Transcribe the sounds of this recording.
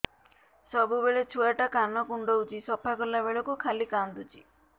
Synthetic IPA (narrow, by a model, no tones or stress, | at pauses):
sɔbubeɭet͡ʃʰuaʈakanɔkuɳɖɔut͡ʃisɔpʰakɔlabeɭɔkukʰalikand̪ut͡ʃʰi